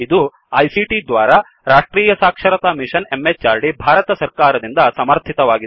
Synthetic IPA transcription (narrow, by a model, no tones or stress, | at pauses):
id̪u | ɐjsiʈid̪ʋaːɾɐ | ɾaːʂʈɾiːjɐsaːkʂɐɾɐt̪aːmiʂɐne̞met͡ʃaːɾɖibʱaːɾɐt̪ɐsɐɾkaːɾɐd̪ind̪ɐsɐmɐɾt̪ʰit̪ɐʋaːɡi